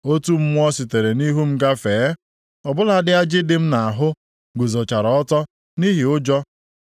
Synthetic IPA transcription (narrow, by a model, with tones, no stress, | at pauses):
o˦tu˦m̩˦mʊ˦ɔ˦sɪ˨te˨ɾe˨ni˦ɦu˦m̩˦ɡa˦feː˨˦ | ɔ˨bʊ˦la˦dɪ˦a˦d͡ʒɪ˦dɪ˦m̩˦na˨a˨ɦʊ˦ | ɡʊ˨zɔ˨t͡ʃa˨ɾɔ˨ɔ˦tɔ˦ | ni˦ɦɪ˨ʊ˦d͡ʒɔ˦